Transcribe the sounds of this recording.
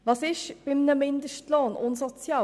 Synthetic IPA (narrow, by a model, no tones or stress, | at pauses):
vɑsɪʃb̥ɪmnəmɪnd̪əʃtloːnʊnsot͡sjɑː